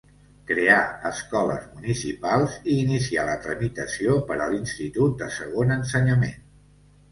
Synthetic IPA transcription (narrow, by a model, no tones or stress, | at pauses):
kɾeaəskɔlə̰zmunisipalˠziːnisialət̪ɾəmit̪əsiopəɾəlinst̪it̪ut̪̚d̪əsəɣonənsəɲəmen